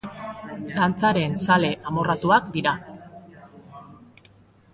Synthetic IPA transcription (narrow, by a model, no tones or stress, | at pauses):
t̪ant͡saɾe̞nsale̞ʔamo̞rat̪uakd̪iɾa